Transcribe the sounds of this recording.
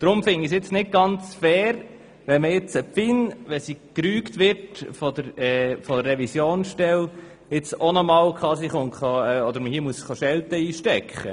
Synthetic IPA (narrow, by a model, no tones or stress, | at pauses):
d̥ɾʊmfɪnisɪt͡snɪt̚ɡ̥ɑnt͡sfɛːɾ | ʋɛnməɪt͡səpfɪnʋɛsikɾyːkt̪ʋɪtfɔd̪əɾɛːfɔd̪ərːɛvisjoːnsʃtɛl | ɪt͡sonɔmɑːlkʰχɑːsiχonχɑɛɔd̪əɾməhiəmuəsχɑʃɛlt̪əiːʃtɛkχə̰